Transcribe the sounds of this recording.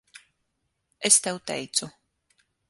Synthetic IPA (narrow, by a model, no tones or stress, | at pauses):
est̪ɛwt̪ɛ̰jt̪su